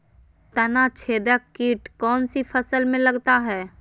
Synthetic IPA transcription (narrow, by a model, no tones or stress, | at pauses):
t̪ɐnat͡ʃʰeːd̪əkːiːʈkɔːnsipʰəsəlmẽlɐɡt̪aɦɛː